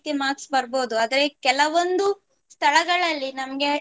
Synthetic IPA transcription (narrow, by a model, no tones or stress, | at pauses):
t̪imaːksbɐɾboːd̪uaːd̪ɐɾekɛlɐʋond̪u | st̪ʰɐɭɐɡɐɭɐlːinɐmɐɡe̞